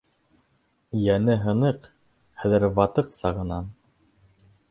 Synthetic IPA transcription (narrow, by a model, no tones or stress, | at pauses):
jænɘɦɤ̆nɤq | hæðɘ̆ɾβɑt̪ɤqsɑʁɤ̆nɑn